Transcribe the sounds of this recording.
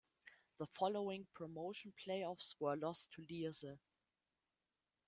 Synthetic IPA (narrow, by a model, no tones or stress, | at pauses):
ðəfɔloʊɪ̃ŋpʰɹ̥ɔmoʊʃn̩pʰl̥eɪɔfswə˞lɔstʰulizə